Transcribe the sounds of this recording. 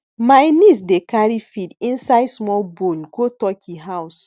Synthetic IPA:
majnis̬dekaɹifidĩnsaɪdsmɔlbõnɡotɔkʰiɦaws

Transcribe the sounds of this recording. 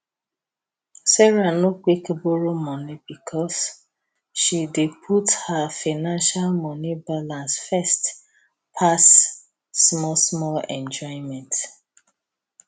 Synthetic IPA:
sɛɹanokekboɹomɔnibikʰɔs | ʃidepʰuthafaɪnãnʃalmɔnibalãnsfɛst | pʰasː | mɔsmɔlɛ̃nd͡ʒɔɪ̃mɛ̃nt

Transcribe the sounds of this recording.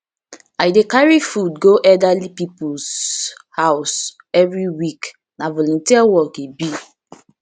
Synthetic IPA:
ajdekaɹifudɡoʔɛdalipipushaʊs | ɛvɹiwik | nãvɔlɔ̃ntiawɔkibi

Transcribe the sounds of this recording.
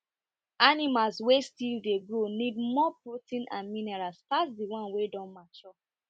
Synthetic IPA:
anĩmalswestildeɡɹonĩd̚mɔpɹotĩnʔã̰nmĩnɛɹastasdiwɔ̃nwedɔ̃nmat͡ʃɔ

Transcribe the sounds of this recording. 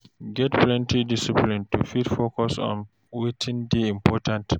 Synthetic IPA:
ɡɛtplɛ̃ntidisiplĩntufitfokɔsɔ̰̃n | wetʰĩndeĩmpɔtãnt

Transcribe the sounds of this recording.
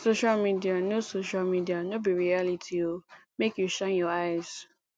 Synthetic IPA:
soʃalmidianosoʃalmidianobiɹialitʰiomekjuʃãnjɔajz̥

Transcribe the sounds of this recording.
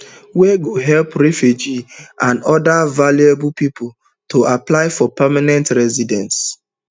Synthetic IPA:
wɛɡoɦɛlpɹɛfjud͡ʒiãndɔdavalueb̩pipʊ | toʔaplaɪfɔpɛmanɛ̃ntɹɛzidɛ̃ns

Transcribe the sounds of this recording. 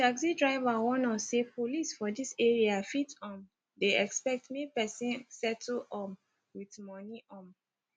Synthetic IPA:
taksidɹaɪvawɔ̃nɔsepʰolisfɔdisɛɹiafitɔ̃m | deɛkspɛk̚tmipɛsĩnsɛtʰl̩ɔ̃m | witmɔniʔɔ̃m

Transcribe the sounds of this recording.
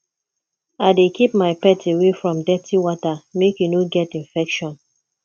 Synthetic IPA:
aɪdekʰipmaɪpɛtʰewefɹɔ̃mdɛtʰiwɔtamekjunoɡɛtĩnfɛkʃɔ̃n

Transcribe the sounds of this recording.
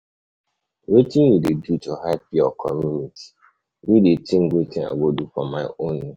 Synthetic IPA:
wetĩnwidedutuɦapiɔkʰɔmjunitʰi̥ | widetĩŋ̩ɡʷetĩa̰ɡodufɔmaɪonːe

